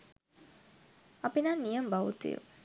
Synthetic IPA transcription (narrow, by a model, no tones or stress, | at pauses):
ɐpinanːijəmbaʋut̪ḭjṵ